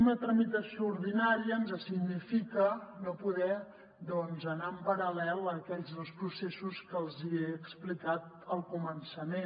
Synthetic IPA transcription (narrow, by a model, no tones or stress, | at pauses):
unət̪ɾəmit̪əsiouɾðinaɾiəːnzəsiɡnifikənopuðɛ | d̪ɔnzənaəmpəɾəlɛlˠəkɛʎzðəlˠspɾusesuskəlˠzieəksplikat̪̚ | əlˠkumənsəme